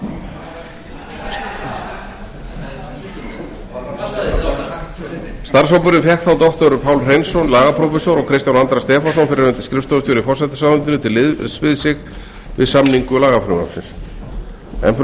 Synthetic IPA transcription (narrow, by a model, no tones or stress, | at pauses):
st̪aɾ̥s̬ɔwpʏɾɪnfjɛhkt̪θawt̪ɔht̪ɔɾʏpʰaːwlr̥ejnsɔnlaːɣapʰɾɔfɛsɔɾɔɣkʰɾɪst̪janant̪ɾast̪ɛːfasɔnfɪɾɪɾʏnt̪ɪ̥skɾɪft̪ɔðʏst̪jɔwɾɪfɔr̥sɛt̪ɪ̥saːðʏnt̪ʏnʏt̪ʰɪlːɪðsvɪðsɪx | vɪ̰ðsamniŋkʏlaːɣafɾʏma̰sɪ̰ns | ɛ̰nf